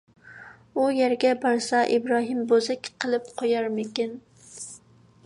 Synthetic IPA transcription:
ujæɾɡʲɛbɑɾsɑʔibɾɑːɦɨmbozɛkʲqʰəlˠɨp̚qʰojɑɾmɪkʲɪn

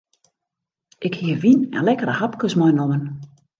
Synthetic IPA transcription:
ʔɪkhiəʋinɛ̰nlɛkəɾəhapkəsmɔjnomən

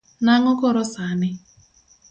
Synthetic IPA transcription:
naŋɔkɔɾɔsanɪ

